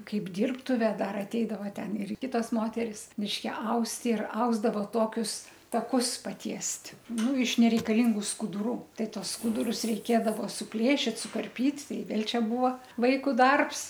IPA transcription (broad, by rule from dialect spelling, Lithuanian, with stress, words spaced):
ˈkɐɪp ˈdʲiːrptʊʋʲɛ ˈdɐr ɐtʲˈɛɪdɐʋɐ ˈtʲɛn ɪr ˈkʲɪtoːs ˈmoːtʲɛrʲɪs mʲɪʃʲˈkʲɛ ˈɐʊst ɪr ˈɐʊzdɐʋoː ˈtoːkʲʊs tɐˈkʊs pɐˈtʲiɛsʲtʲ ˈnʊ ɪʃ nʲɛrʲɛɪkɐˈlʲɪŋɡʊ skʊdʊˈruː ˈtɐɪ ˈtuɔs ˈskʊdʊrʊs rʲɛɪˈkʲeːdɐʋoː sʊˈpʲlʲeːʃʲɪt sʊkɐrʲˈpʲiːtʲ ˈtɐɪ ˈʋʲeːlʲ ˈt͡ʃʲɛ ˈbuːʋoː ˈʋɐɪkʊ ˈdɐrps